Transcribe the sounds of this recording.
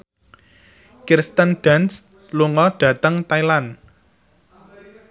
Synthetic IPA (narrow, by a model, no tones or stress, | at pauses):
kirst̪ənɖ̥a̤ns | luŋɔɖ̥ä̤t̪əŋt̪ailan